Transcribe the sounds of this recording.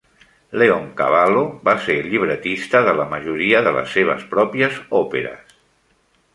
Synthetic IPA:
leoŋka̰βaloβaseɾʎiβɾət̪ist̪əðələməʒuɾiəðələ̰sːeβ̞ə̰spɾɔpjəzɔpḛɾə̰s

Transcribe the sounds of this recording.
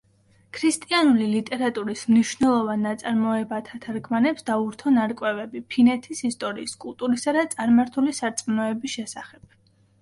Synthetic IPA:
kʰɾist̪ʼianulilit̪ʼɛɾat̪ʼuɾismniʃvnɛlˠɔvanːat̪sʼaɾmɔɛbat̪ʰat̪ʰaɾɡʰmanɛpsd̪auɾt̪ʰɔnaɾkʼwɛvɛbipʰinɛt̪ʰisist̪ʼɔɾḭːskʼulˠt̪ʼuɾisad̪at̪sʼaɾmaɾt̪ʰulisaɾt̪sʼmnɔɛbisʃɛsaχɛb̥̚

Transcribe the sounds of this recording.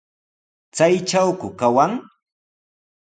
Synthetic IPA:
t͡sajt͡ʃawkʊkawaŋ

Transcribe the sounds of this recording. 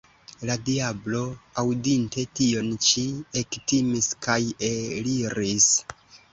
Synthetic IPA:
ladiablo̞awdinte̞tio̞nt͡ʃiektimiskʰajeliɾis

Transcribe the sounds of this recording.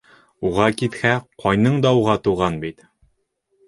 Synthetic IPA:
uʁɑkit̪hæqʰɒjnɤɴd̪ɑuʁɑt̪uʁɑnbit̪

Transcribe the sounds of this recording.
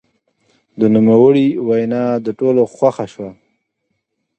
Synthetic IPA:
d̪ənumawəɽiwajnɑd̪əʈoloxwaxaʃwa

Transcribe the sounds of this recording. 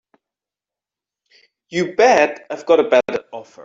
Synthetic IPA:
jɨbɛdaɪvɡɑɾəbæɾɔfə̰˞

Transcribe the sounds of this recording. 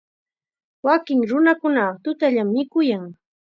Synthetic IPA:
wakɪŋɾʊnakʊnat̪ʊt̪aʎamːɪkʊjaŋ

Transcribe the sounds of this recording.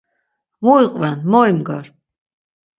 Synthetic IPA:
muiqʼvanmɔjmɡaɾ

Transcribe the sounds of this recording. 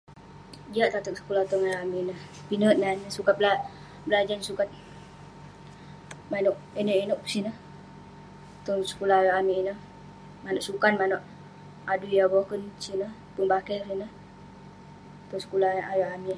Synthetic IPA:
d͡ʒiaʔt̪at̪ək̚sə̥kulaht̪ɔŋajaaminəh | pinət̪̚nanəsukat̪̚bla | bəlad͡ʒansukat̪̚ | manɔʔ̚inoʔinɔʔsinəh | t̪ɔŋsə̥kulahajaʔamiinəh | manɔʔsukanmanɔʔ | adujabɔkənsinə | pəŋbakɛrsinəh | t̪ɔŋsə̥kulaajaʔami

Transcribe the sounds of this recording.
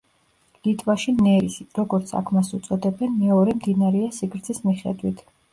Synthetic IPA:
lit̪ʰʼvaʃinɛɾisɾɔɡɔɾt̪sʰa̰kʰmasut̪sʼɔd̪ɛbɛnmɛɔɾɛmd̪inaɾɛasikʰɾt̪sʰismiχɛ̰d̪wit̪ʰ

